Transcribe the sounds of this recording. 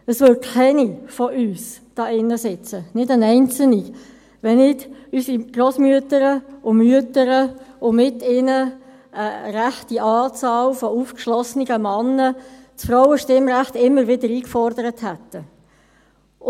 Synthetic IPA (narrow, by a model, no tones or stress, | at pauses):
əsʋʏkʰɛnifɔʔyːsd̥ɑːɪnːəsɪt͡sənɪdənɛɪnt͡sl̩ni | ʋɛnɪdysiɡ̥roːsmyətəɾəʊmyətəɾəʊmɪtɪnə | əɾæχtiʔɑːt͡sɑːlfɔuːfkʃlɔsniɡ̥əmɑnːət͡sfɾaʊwəʃtɪmɾæχtɪmːəɾvɪdəɾiːkfɔɾdəɾəthætːə